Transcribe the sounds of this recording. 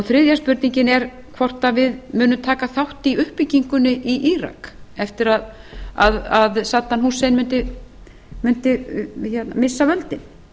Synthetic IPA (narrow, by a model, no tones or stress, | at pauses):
ɔθɾɪðjaspʏɾt̪niɲcɪnɛɾ̥ | kʰvɔr̥t̪avɪðmʏːnʏmt̪ʰaːkaθawht̪iʏhpɪciŋkʏnʏʔiʔiɾa̰kɛft̪ɪɾað | a̰ðaðsaːt̪ːanɦusːejnmʏnt̪ɪ | mʏn̥t̪ɪçɛt̪namɪsːavœlt̪ɪn